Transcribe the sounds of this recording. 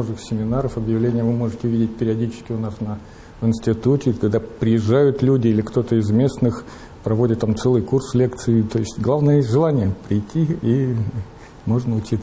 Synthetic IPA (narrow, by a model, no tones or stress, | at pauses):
oʐɨxsʲɪmʲɪnaɾəfɐbjɪvlʲenʲɪjəvɨmo̞ʐɨtʲɪvʲidʲɪt̚ʲpʲɪɾʲɪɐdʲit͡ɕɪ̥skʲɪʊnasnə | vɨnsʲtʲɪt̪utʲɪkɐɡd̪apɾʲɪjɪʐːajʊt̪lʲudʲɪilʲɪkt̪o̞t̪əɪzmʲe̞snɨx | pɾɐvo̞dʲɪt̪ːamt̪sɛlˠɨjkurslʲe̞kt̪sɨɪt̪ojɪsʲtʲɡlˠavnɨjəʐɨlˠanʲɪjəpɾʲɪjtʲːii | mo̞ʐnəʊt͡ɕit̪